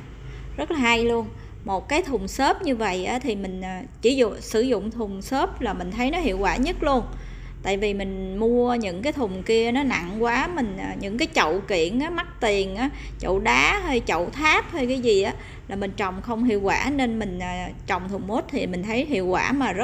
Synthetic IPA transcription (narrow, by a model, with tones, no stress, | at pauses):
zə˦˥t̚laː˨˩ha˧jlu˧ən | mo˨˩t̚kaː˨˦jt̪ʰʊ˨˩ŋ͡msəː˦˥p̚ɲɨ˧və̰˧˨jʔaː˨˦t̪ʰi˨˩mï˨˩ŋ̟ʔːt͡ɕi˧˩˦zʊ̰˧˨sɨ˧˩zʊ̰˧˨ŋ͡mt̪ʰʊ˨˩ŋ͡msə˦˥p̚laː˨˩mï˨˩ŋ̟t̪ʰə˨˦jnɔ˨˦hḭ˧˨əwkwaː˧˩ɲə˦˥t̚lu˧ən | t̪a̰ː˧˨jvi˨˩mï˨˩ŋ̟mu˧əɲɨ̰˧˥ŋkaː˨˦jt̪ʰʊ˨˩ŋ͡mki˧ənɔ˨˦na̰˧˨ŋkwaː˨˦mï˨˩ŋ̟ʔaː˨˩ɲɨ̰˧˥ŋkaː˨˦jt͡ɕə̰˧˨wki˧˩˨ənʔaː˨˦ma˦˥t̚t̪i˨˩ənʔaː˨˦ | t͡ɕo̰˧˨wɗaː˨˦ɦəː˧jt͡ɕə̰˧˨wt̪ʰaː˦˥p̚həː˧jkaː˨˦jzi˨˩ʔaː˨˦ | laː˨˩mi˨˩ŋ̟t͡ɕɔ̰˧˨wŋ͡mxə˧wŋ͡mhḭ˧˨əwkwaː˧˩ne˧nmï˨˩ŋ̟ʔəː˨˩t͡ɕɔ̰˧˨wŋ͡mt̪ʰʊ˨˩ŋ͡mhu˦˥t̚t̪ʰi˨˩mï˨˩ŋ̟t̪ʰə˨˦jɦḭ˧˨əwkwaː˧˩maː˨˩zə˦˥